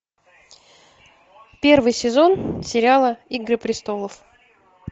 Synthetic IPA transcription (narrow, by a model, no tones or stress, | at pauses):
pʲe̞rvɨjsʲɪzo̞nsʲɪɾʲalˠəiɡɾɨpɾʲɪst̪o̞lˠəf